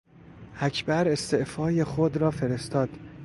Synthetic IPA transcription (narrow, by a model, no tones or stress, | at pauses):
ʔæcʰbæɾe̞st̪e̞ʔfɒːje̞xod̪ɾɒːfe̞ɾe̞st̪ʰɒːd̪̥